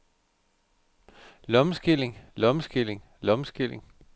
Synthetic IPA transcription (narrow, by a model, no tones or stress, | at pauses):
lɒ̽məsɡ̥ileŋlɒ̽məsɡ̥ile̝ŋ | lɒ̽msɡ̥ileŋ